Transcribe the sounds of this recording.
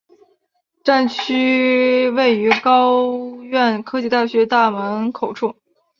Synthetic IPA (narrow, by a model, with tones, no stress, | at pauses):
ʈ͡ʂa˥˩nt͡ɕʰy˥we˥˩ɪy˧˥kɑ˥ʊɥɛ˥˩nkʰɤ˥t͡ɕi˥˧t̪a˥˩ɕɥɛ˧˥t̪a˥˩mə˧˥nkʰo˨˩ʊʈ͡ʂʰu˥˩ŋ